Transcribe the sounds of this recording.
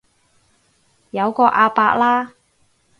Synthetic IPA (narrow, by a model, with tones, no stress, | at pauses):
jɐ˨˧wkɔː˧ʔaː˧paː˧k̚laː˥